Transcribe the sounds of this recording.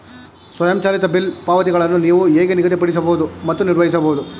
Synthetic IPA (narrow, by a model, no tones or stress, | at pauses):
sʋɐjɐmt͡ʃaːlit̪ɐbilpaːʋɐt̪̬iɡɐɭɐnːuniːʋueːɡeniɡɐt̪ipɐɽis̬ɐbɐɦud̪umɐt̪ːuniɾʋɐɦisɐbɐɦud̪u